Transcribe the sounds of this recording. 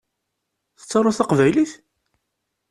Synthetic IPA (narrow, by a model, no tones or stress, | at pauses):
θə̥t͡sːɑɾˤɑθɑqvæjliθ